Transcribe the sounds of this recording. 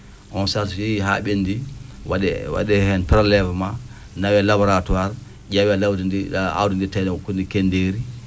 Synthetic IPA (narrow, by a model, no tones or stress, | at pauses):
ʔɔnsasfiɦa̰ɓendiwaɗɛwa̰dɛhɛnpɛɾlɛfma | nawɛlabɔɾatwaɾ | ɟawialawdidia̰wdinditajnkːundikendeɾi